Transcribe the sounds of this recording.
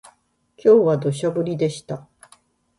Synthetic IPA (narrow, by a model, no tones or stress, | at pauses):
kʲo̞ːβad̪o̞ɕ̬abɯ̟ɾʲid̪e̞ɕi̥t̪a